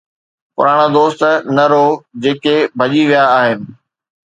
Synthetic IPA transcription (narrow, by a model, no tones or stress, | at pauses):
pʊ̰ɾaːɽ̃ad̪oːst̪nɐɾod͡ʑeːkebʱɐʄiʋijaːɦɪnɪ̆